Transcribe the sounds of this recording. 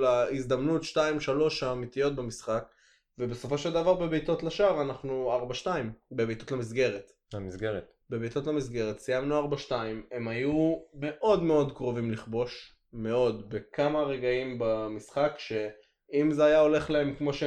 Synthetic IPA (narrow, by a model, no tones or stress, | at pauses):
laizd̪amnutʃtaimʃalo̞ʃaːmit̪ijo̞t̚bemisχak | vebeso̞fo̞ʃeld̪avaʁbe̞bejto̞tlaʃaʁanaχnuaʁbaʃtaimbebejtotlamis̬ɡe̞ʁet | lamisɡeʁet̪ | bebejt̪o̞tlamisɡe̞ʁet̪sijamnuaʁbaʃtaime̞majume̞ʔo̞d̪me̞o̞d̪kʁo̞vimliχbo̞ʃ | me̞o̞d̪be̞kamaʁe̞ɡaimbamisχakʃe̞ | imzeajao̞le̞χlae̞mkmo̞ʃe